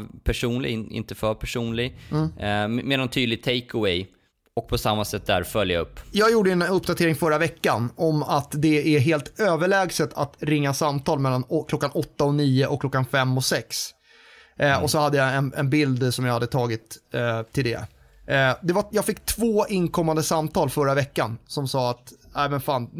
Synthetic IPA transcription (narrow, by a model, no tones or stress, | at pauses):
pʰæʂuːnlɪ̰ɡɪ̰nt̪əfœːɾpʰæʂuːnlɪɡ | meːd̪ant̪ʰyːd̪lɪɡ̚t̪ʰːɛɪkəwɛj | ɔk̚pʰɔsamːasɛt̪̚d̪æ̰ɾfœljaɵ̰pːjɑːɡjuːɖəɛnɵpːd̪at̪ʰeːɾɪŋfœɾavɛkːanɔmat̪d̪ɛæɾɦeːlt̪øːvəɭɛːɡsət̪ʰa̰t̪ɾɪŋːasamt̪ʰɑːlmɛlːanɔkʰlɔkːanʔɔt̪ːaɔniːəʔɔkʰːlɔkːanfɛmːɔsɛks | ɔsɔhad̪ːəjaɛnɛ̰nbɪld̪sɔmjɑahad̪ːət̪ʰɑːɡɪt̪tʰːɪld̪ɛ̰ | d̪ɛvajɑːɡfɪkːt̪ʰvoːɪnkʰɔmːand̪əsamt̪ʰɑːlfœɾavɛkːansɔmsɑːat̪æɪmɛnfaːn